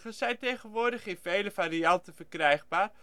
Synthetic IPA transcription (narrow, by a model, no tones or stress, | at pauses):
χəsɛjntejχənʋʊːdəχɪnvejləfaːɾiɑntənfərkrɛjχbaːr